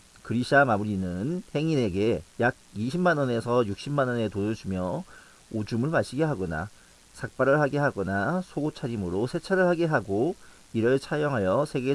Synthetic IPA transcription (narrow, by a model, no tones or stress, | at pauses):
kɯɾiɕʰamamuɾinɯnhe̞ŋine̞ɡe̞jaɡ̚iɕʰimːanʌne̞sʰʌjuk̚ɕ͈imːanʌne̞tonɯɭd͡ʑumjʌ | od͡ʑumɯɭmaɕʰiɡe̞ɦaɡʌna̰ | sʰak̚p͈aɾɯɭhaɡe̞ɦaɡʌnasʰoɡot͡ɕʰaɾimɯɾosʰet͡ɕʰaɾɯɭhaɡe̞ɦaɡo | iɾɯɭt͡ɕʰajʌŋɦajʌsʰe̞ɡe̞